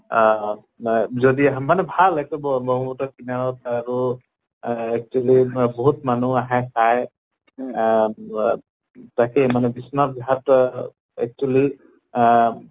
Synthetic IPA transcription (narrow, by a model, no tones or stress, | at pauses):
zɔdimanɛbʱalːaɡ̚tɔbɔmɔɦumutɔkinaɹɔtaɹu | ɛk̚t͡ʃualibɔɦut̚manuaɦasʰaj | takɛmanɛbisnabiɦat | ɛ̰k̚t͡ʃuali